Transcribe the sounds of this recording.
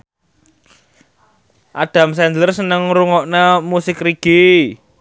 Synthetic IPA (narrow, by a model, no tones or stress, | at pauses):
ʔaɖ̥a̤msɛndlərsənəŋɾuŋɔʔnamusɪkriɡ̥i